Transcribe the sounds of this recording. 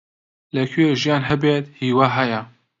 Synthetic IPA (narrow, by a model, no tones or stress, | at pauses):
lɛkʰyjeʒijaːnɦɛbeːt̪hiːwaːɦaja